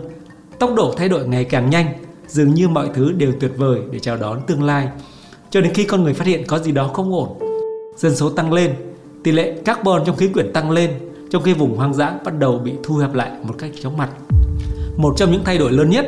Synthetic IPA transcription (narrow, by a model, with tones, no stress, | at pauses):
t̪ə˦˥wk͡p̚ɗo̰˧˩t̪ʰa˧jɗo̰˧˩jŋa˨˩jkaː˨˩ŋɲa˧jŋ̟zɨ˨˩əŋɲɨ˧mɔ̰˧˨jt̪ʰɨ˨˦ɗe˨˩wt̪wi˨˩ət̚vəː˨˩jɗe˧˩t͡ɕaː˨˩wɗɔ˨˦nt̪ɨ˧əŋlaː˧j | t͡ɕɔ˧ɗe˨˦nxi˧kɔ˧nŋɨ˨˩əjfaː˦˥t̚hḭ˧˨ənkɔ˨˦zi˨˩ɗɔ˨˦xə˧wŋ͡mʔo˧˩nz̥ə˧nso˨˦t̪a˧ŋle˧n | t̪i˨˩lḛ˧˨kaː˦˥k̚ɓɔ˨˩nt͡ɕɔ˧wŋ͡mxi˨˦kwi˧˩ənt̪a˧ŋle˧n | t͡ɕɔ˧wŋ͡mxi˧vʊ˨˩ŋ͡mhwaː˧ŋza̰ː˧˥nɓa˦˥t̚ɗə˨˩wɓḭ˧˨t̪ʰu˧hɛː˨˩p̚la̰ː˧˨jmo˨˩t̚ka˦˥jk̚t͡ɕɔ˨˦wŋ͡mma˨˩jt̚ | mo˨˩t̚t͡ɕɔ˧wŋ͡mɲɨ̰˧˥ŋt̪ʰa˧jɗo˧˩jləː˨˦nɲə˦˥t̚